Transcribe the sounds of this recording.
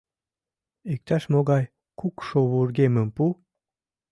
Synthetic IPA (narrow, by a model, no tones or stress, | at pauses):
ek̚t̪aʃmoɣɑj | kukʃoβurɡeməmpu